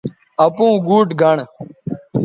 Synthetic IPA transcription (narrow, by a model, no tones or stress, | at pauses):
ɐpũːɡuːʈɡʱɐɳ